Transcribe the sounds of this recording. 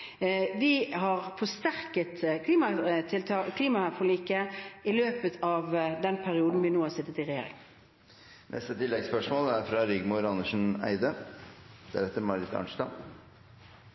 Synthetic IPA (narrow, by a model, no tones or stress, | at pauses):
ʋɪɦɑʁfɔst̪æɾkət̪kʰliːmɑt̪ʰɪlt̪ʰɑkʰliːmɑfɔliːkəɪløːpət̪ʰɑʋd̪ɛnpʰæɾɪuːd̪n̩ʋɪnoːhɑɾsɪt̪ːət̪ɪʁɛjḛːɾɪ̰ŋ | nʔɛ̰st̪ət̪ʰɪlːɛɡspœʂmoːlæɾfɾɑɾʏɡmʊɾɑnəʂn̩æ̰ɪd̪ə | d̪̥æ̰ɾɛt̪ːəɾmɑɾɪt̪ʰɑ̰ɳʂt̪ɑ̰